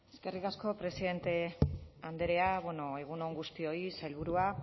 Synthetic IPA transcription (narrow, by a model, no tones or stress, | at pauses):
e̞ske̞rikasko̞pɾe̞siðe̞nt̪e̞and̪e̞ɾe̞aβweno̞e̞ɣ̞uno̞ŋɡust̪io̞isajlβ̞uɾua